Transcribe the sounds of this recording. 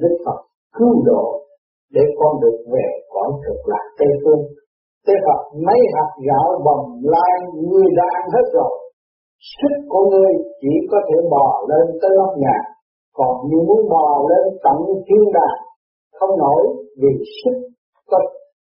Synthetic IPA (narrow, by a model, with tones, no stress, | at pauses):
ɗɨ˦˥k̚fə˨˩t̚ | kɨ˨˦wɗo̰˧˨ | ɗe˧˩kɔ˧nɗɨ˨˩ək̚ve˨˩kwɔ˧˩˦kɨ˨˩k̚la̰ː˨˩k̚t̪ə˧jfɨ˧əŋ | t̪e˨˦t̪ə˨˩p̚mə˨˦jɦaː˨˩k̚ɣa̰ː˧˦wɓə˨˩ŋ͡mlaː˧jŋiɨ˧əjɗaː˧ŋɦe˦˥t̚zo˨˩j | sɨ˦˥k̚ku˧˩əŋɨ˧əjt͡ɕi˧˩kɔ˨˦t̪ʰe˧˩ɓɔ˨˩le˧nt̪əː˨˦jma˦˥t̚ŋaː˨˩ | kɔ˨˩nɲɨ˧˥mu˨˦ənɓɔ˨˩le˧nt̪ə̰˧˨mt̪ʰi˧ənɗaː˨˩ | xə˧wŋ͡mno˧˥jvi˨˩sɨ˦˥k̚ | kə˧˦